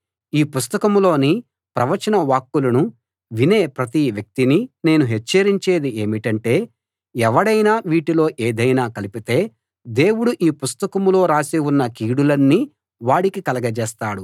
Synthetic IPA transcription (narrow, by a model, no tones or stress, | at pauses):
iːpust̪ɐkɐmlo̞ːni | pɾɐʋɐt͡ʃɐnɐʋaːkːulɐnu | ʋine̞ːpɾɐt̪iʋjɐk̚t̪inine̞ːnuɦet͡ʃːɐɾiɲt͡ʃe̞ːd̪ie̞ːmiʈɐɳʈe̞ː | ɛʋɐɽɐjnaːʋiːʈilo̞ːʔeːd̪ɐjnaːkɐlipit̪e̞ː | d̪e̞ːwuɽuʔiːpust̪ɐkɐmlo̞ːɾaːsiwunːɐkiːɽulɐnːi | ʋaːɽikikɐlɐɡɐd͡ʒeːst̪aːɽu